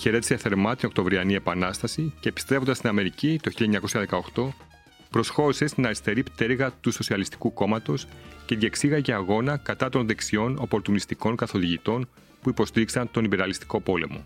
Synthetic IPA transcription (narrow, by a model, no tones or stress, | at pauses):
çe̞ɾe̞t̪i̥seθe̞ɾmɐt̪ino̞k̚t̪o̞vɾiɐnie̞pɐnɐst̪ɐsiceːpist̪ɾefond̪st̪inɐme̞ɾicit̪o̞çiʎɐeɲɐko̞sçɐðe̞kɐoxt̪o̞ | pɾo̞sxo̞ɾise̞st̪inɐɾist̪e̞ɾipt̪eɾɣɐt̪uso̞siɐlist̪i̥kuko̞mɐt̪o̞sce̞ðje̞ksiɣɐceɐɣo̞nɐkɐt̪ɐt̪o̞nðe̞ksio̞no̞po̞ɾt̪unist̪iko̞ŋkɐθo̞ðiʝit̪o̞n | puipo̞st̪iɾiksɐnt̪o̞nimbe̞ɾɐlist̪i̥ko̞po̞le̞mo̞̰